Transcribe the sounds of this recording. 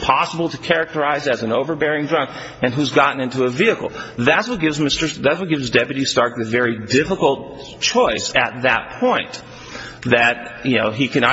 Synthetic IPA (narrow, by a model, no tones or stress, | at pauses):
pʰɑsəbl̩ˠtʰɨkʰɛɹɨk̚tə˞aɪzɨzn̩oʊvə˞bɛɹɪ̃ŋdɹʌ̃ŋk | ɨ̃nɦʉzɡɑʔn̩ɪ̃ntuəviɨkl̩ˠðɨtswʌt̚ɡ̥ɪvzmɪstə˞ðætswʌt̚ɡ̥ɪvzdɛpjɨɾistɑɹk̚ðɨvɛɹidɪfəkl̩ˠt̚ | t͡ʃʰɔɪsɨt̪̚ðɨ̰t̚pʰɔ̃ɪ̃n | ðɨt̚jɨnoʊikʰɨnɑ